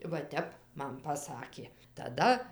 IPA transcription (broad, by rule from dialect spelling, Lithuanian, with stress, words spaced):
ʋɐ ˈtʲɛp ˈmɐn pɐˈsɑːkʲeː tɐˈdɐ